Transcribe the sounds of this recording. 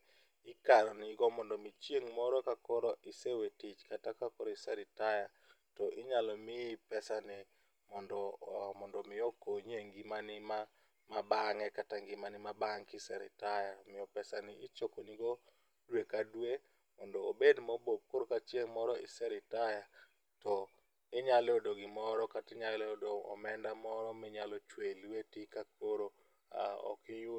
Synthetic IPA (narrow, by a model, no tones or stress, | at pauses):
ɪkaɾɔnɪɡɔmɔndɔmit͡ʃjeŋmɔɾɔkakɔɾɔʔɪsewetɪt͡ʃkatakakɔɾɔɪsɛɾɪtaja | tɔʔɪɲalɔmɪpɛsanɪ | mɔndɔmɔndɔmɪɔkoɲeŋɡimanɪma | mabaŋɛkataŋɡɪmanɪmabaŋkɪsɛɾɪ̰tajamɪɔpɛsanɪɪt͡ʃokoniɡɔ | dwekadwe | mɔndɔobedmɔbop̚koɾkat͡ʃjeŋmɔɾɔɪ̰sɛɾɪtaja | tɔ | ɪɲalɛodoɡɪmɔɾɔkatɪɲalɛodoɔ̰mɛndamɔɾɔmɪɲalɔt͡ʃwelwetikak̚oɾo | a̰ɔ̰kɪju